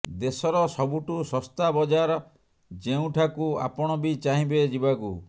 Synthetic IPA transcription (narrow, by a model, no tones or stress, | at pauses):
d̪esɔɾɔsɔbuʈusɔst̪abɔd͡ʒaɾɔ | d͡ʒeũʈʰakua̰pɔɽ̃ɔbit͡ʃaɦĩbed͡ʒibakṵ